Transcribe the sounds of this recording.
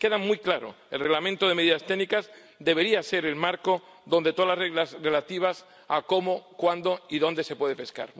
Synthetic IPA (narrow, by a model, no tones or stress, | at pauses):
ke̞ðamujklaɾo̰ | elre̞ɣlamẽnt̪oðeme̞ðiðast̪enikaz | d̪e̞βe̞ɾiase̞ɾelmaɾko | ðo̞nd̪e̞t̪oalareɣlasre̞lat̪iβ̞as | ako̞mokwand̪oiðo̞nd̪e̞se̞pwe̞ð̞epe̞ska̰ɾ